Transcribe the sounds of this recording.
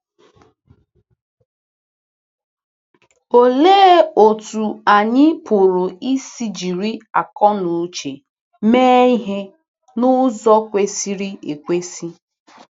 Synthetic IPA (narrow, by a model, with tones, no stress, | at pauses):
o˨leː˦˨o˨tu˨a˨ɲɪ˦pʊ˨ɾʊ˨i˦si˦d͡ʒi˨ɾi˦a̰˨kɔ˦nu˨˦t͡ʃe˨ | me˦i˦ɦe˦ | nʊ˦zɔ˦kʷe˦si˦ɾi˦e˨kʷe˦si˦